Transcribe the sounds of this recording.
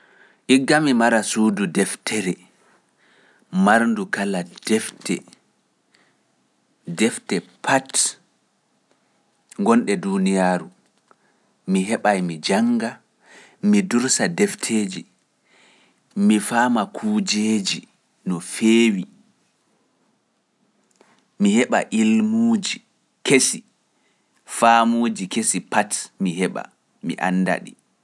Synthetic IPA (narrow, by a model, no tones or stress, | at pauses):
ʔiɡːamimaɾasuːdudɛftʰɛɾɛ | maɾndukalad̥ɛftɛ | dɛftɛpʰat | ŋɡɔnɗɛdunijaɾu | miɦɛɓajmid͡ʒaŋɡa | miduɾsadɛftʰeːd͡ʒi | mifaːmakʰuːd͡ʒeːd͡ʒi | nɔfeːwi | mihɛɓa̰ʔilmuːd͡ʒi | kesi | faːmoːd͡ʒikesipatmiɦɛɓa̰ | miʔa̰nːda̰ɗḭ